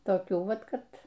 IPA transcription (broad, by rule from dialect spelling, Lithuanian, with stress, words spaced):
toːˈkʲuː ˈʋɐt ˈkɐt